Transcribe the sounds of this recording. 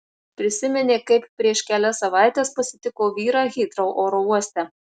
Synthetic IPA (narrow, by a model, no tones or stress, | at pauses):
pʲɾʲɪsʲɪmʲɛnʲeːkɐɪppʲɾʲiɛʃkʲæːlʲɛsːɐʋɑˑɪt̪ʲeːspɐsʲɪt̪ʲɪkoːʋʲiːɾɑːɣʲɪt̪ɾoʊʔoːɾouɔsʲt̪ʲɛ